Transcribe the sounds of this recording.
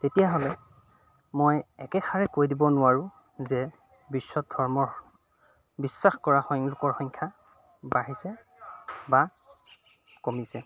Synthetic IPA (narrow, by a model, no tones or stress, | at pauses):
tetijaɦɔlɛ | mojɛkɛxʰaɹɛkojdibɔnʊwaɹʊ̃ | zɛ | bisːɔt̚dʱɔɹmɔɹ | bisːaxkɔɹaxɔlʊkɔɹxɔŋkʰa | baɹisɛ | ba | komisɛ